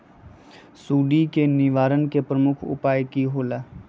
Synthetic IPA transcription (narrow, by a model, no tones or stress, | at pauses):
suːɖikenɪʋaːɾənkepɾəmʊkʰʊ̰paːjkiɦoːlaː